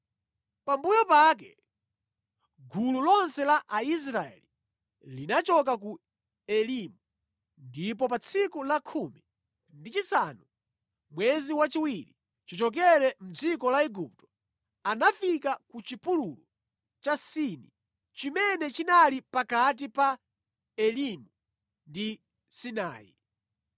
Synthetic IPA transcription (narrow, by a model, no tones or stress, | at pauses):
pambujɔpak̬ɛ | ɡʱululɔnsɛlaʔais̬ɾaɛ̰li | linat͡ʃɔk̬aku | ɛlimu | ndip̬ɔpat͡sʰikulakʰumi | ndit͡ʃisanu | mwɛziwat͡ʃiwiɾḭ | t͡ʃit͡ʃɔk̬ɛɾɛm̩d͡zikɔlaɛɡup̚tɔ̥ | anafikakut͡ʃipululu | t͡ʃasini | t͡ʃimɛnɛt͡ʃinalipakat̬ipa | ɛlimu | ndi | sina̰ːḭ